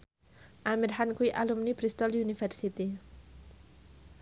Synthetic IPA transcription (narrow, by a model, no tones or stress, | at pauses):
ʔamirɦankuiʔalumnib̥ɾist̪ɔljunifɛrsit̪i